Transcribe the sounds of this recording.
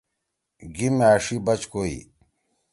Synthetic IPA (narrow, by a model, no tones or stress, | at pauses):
ɡimeaːʂibɐt͡ɕkoḭ